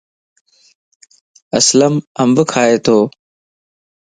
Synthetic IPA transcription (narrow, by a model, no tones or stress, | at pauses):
əsləməmbkʰaːeːt̪ʰoː